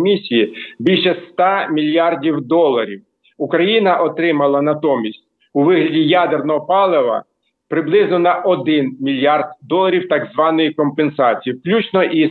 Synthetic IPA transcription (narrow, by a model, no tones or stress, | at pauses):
mʲisʲijibʲilʲʃɛst̪ɑmʲilʲjɑrdʲiwd̪ɔlˠːɐɾʲiw | ukɾɐjinɐʔɔt̪ɾɪmɐlˠɐnɐt̪ɔmʲisʲtʲ | uʋɪɦlʲɐdʲijad̪ernɔɦɔpɑlˠeʋɐ̰ | pɾɪblˠɪznɔnɐʔɔd̪ɪnmʲilʲjɑrd̪̚d̪ɔlˠːɐɾʲiwt̪ɑɡzʋɑnɔjikɔmpensɑt͡sʲijiklʲut͡ʃnɔʔi